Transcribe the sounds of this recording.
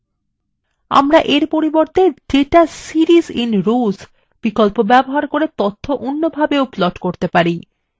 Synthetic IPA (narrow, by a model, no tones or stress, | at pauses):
a̰mɾaʔeɾpoɾiboɾt̪ʰed͡ʒeʈasiɾizinɾus | b̥ikolpobɛboɦaɾkoɾet̪ot̪ʰːoʔonːobʱabeoplɔʈkoɾt̪epaɾi